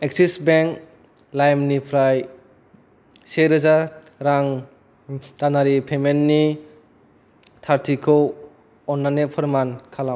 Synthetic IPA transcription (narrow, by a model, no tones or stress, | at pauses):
eksisbeŋk | lajmnipʰɾaj | seɾɯza | ɾaŋ | tanaɾipʰemenːi | tʰaɾtʰikʰɔw | ɔnːanepʰɐɾmankʰalam